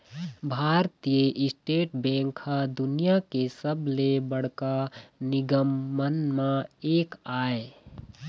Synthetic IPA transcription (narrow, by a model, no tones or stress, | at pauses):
bʱaːɾt̪ijəʔɪsʈeːʈbɛ̃ːŋkʰad̪ʊnijakesəbʱlebəɽ̤kanɪɡəmːənmãeːkaːe